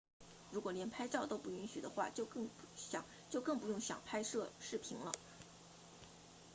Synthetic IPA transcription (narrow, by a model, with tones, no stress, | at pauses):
ɻu˧˥kwɔ˨˩ljɛ˧˥npʰa˥ɪʈ͡ʂɑ˥˩ʊt̪o˥ʊpu˥˩i˧˥nɕy˨˩d̪ə˦xwa̰˥˩t͡ɕjo˥˧ʊɤ˥˩ŋɕjɑ˨˩˦ŋ | t͡ɕjo˥˧ʊkɤ˥˩ŋpu˧˥jʊ˥˩ŋɕjɑ̰˨˩ŋpʰa˥ɪʂɤ˥˧ʂɻ̩˥˩pʰi˧˥ŋlə̰˧